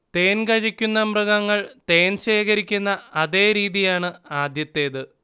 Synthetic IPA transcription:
t̪e̞ːnɡɐɻikʲːunːɐmrɨɡɐŋːɐɭt̪e̞ːnɕe̞ːkɐɾikʲːunːɐɐðe̞ːɾiːðijaːɳɨaːd̪jɐt̪ːe̞ːðɨ

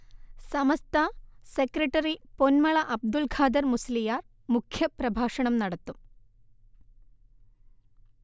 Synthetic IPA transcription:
sɐmɐst̪ʰɐsekɾɐʈɐɾiponmɐɭɐʔɐb̚d̪ulɡʰʱaːd̪ɐɾmuslijaːɾ | mukʰjɐpɾɐbʱaːʂɐɳɐmnɐɽɐt̪ːu

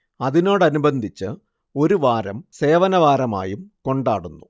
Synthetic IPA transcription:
ɐðino̞ːɽɐnubɐnd̪ʱit͡ɕːɨ | o̞ɾuʋaːɾɐmse̞ːʋɐnɐʋaːɾɐma̰ːjumko̞ɳɖaːɽunːu

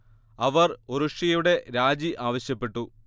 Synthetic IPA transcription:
ɐʋɐroɾuʂɐjuɽe̞ɾaːd͡ʑiʔaːʋɐɕjɐpːe̞ʈːu

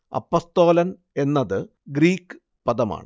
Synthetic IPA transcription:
ɐ̰pːoːst̪o̞ːlɐn | e̞nːɐðɨ | ɡɾiːkːɨ̥ | pɐðɐma̰ːɳɨ

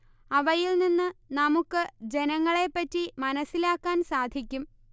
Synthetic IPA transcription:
ɐʋɐjilninːɨnɐmukːɨd͡ʑe̞nɐŋːɐɭe̞pːɐtːimɐnɐsːilaːkːaːnsaːd̪ʱikʲːum

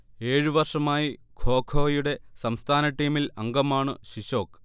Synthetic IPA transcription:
e̞ːɻɨʋɐrʂɐmaːji | ɡʱo̞ːkʰoːjuɽe̞sɐmst̪ʰaːnɐʈːiːmilɐŋɡɐmaːɳɨɕiɕo̞ːk

